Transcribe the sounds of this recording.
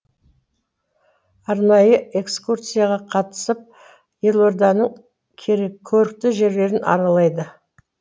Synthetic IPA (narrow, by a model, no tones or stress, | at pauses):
ɑɾnɑjəe̞kskurt̪sɨjaʁɑqʰɑt̪ə̥səp̚ | je̞lˠo̞ɾd̪ɑnəɴ | kʲʰeɾkʲʰːɵɾɪk̚t̪ɪʒe̞ɾle̞ɾɪnɑ̰ɾɑlˠɑjd̪ə